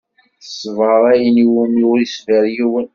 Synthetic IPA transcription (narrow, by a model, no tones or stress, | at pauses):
sːvʁəɾˤæjəniwumlʊɾisvæɾjiwən